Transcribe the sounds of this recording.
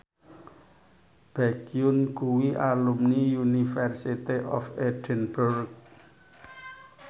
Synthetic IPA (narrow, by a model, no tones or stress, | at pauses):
b̥aɡiʊnɡ̥uwiʔalumnijunifɛrsit̪iʔɔ̰fed̥ɛnburk̚